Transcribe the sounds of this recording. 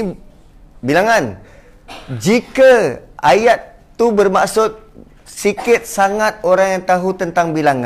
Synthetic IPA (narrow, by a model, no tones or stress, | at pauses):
bilaŋan | d͡ʒikaajat̪ː | ubərmaʔsʊt̪̚ | sikɪt̪̚saŋat̪̚oɾaŋjaŋt̪aɦut̪ənt̪aŋbilaŋã